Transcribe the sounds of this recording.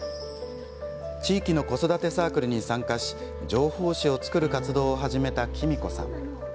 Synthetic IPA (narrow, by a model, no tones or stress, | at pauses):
t͡ɕiːkʲino̞ko̞so̞d̪at̪e̞saːkɯ̟ɾɯ̟ɲ̟isãŋkaɕi̥ | d͡ʑo̞ːho̞ːɕio̞t͡sɨ̥kɯ̟ɾɯ̟kat͡sɨd̪o̞ːɦaʑime̞t̪akʲʰimʲiko̞̰sã̰ŋ̃